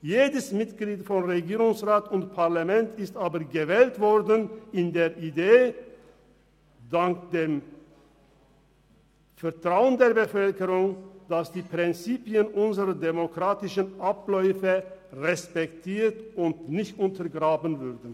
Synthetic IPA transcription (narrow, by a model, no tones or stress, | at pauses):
jeːdəsmɪtɡ̥liːtfɔnʁeɡiːʁʊŋsʁaːtʊntpʰaʁlamɛntʰɪstaːbəɡəvɛːltv̥ɔʁdənɪndeːɐʔideː | d̥aŋkd̥eːm | fɛɐtʁ̥aʊəndeːɐbəfœlkəʁʊŋd̥asd̥iːpʁ̥ɪnt͡siːpiənʔʊnzəʁɐdemokʁ̥aːtɪʃənʔaplɔʏfəʁɛspɛktʰiːtʊntnɪçtʊntʰɐʁɡʁaːbənvʏʁdən̩